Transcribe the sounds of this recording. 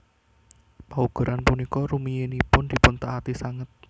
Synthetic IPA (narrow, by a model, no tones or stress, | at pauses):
pauɡ̥ṳɾʔanpunikɔɾumijenipʊnd̪̥i̤pʊnt̪aat̪isaŋət̪̚